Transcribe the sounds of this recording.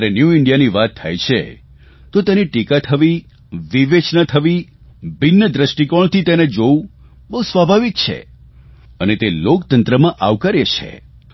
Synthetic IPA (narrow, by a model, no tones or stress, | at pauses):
ɾenjuiɳɖijaniʋat̪ʰːa̰jt͡ʃʰḛ | t̪ot̪eniʈikat̪ʰəʋi | ʋiʋet͡ʃnət̪ʰəʋi | binːəd̪ɾəʃʈikɔɭt̪it̪ened͡ʒoũ | bəɦusʋabʱaʋik̚t͡ʃʰḛ | ənet̪elokt̪ənt̪ɾəmãʔaʋkəɾet͡ʃʰḛ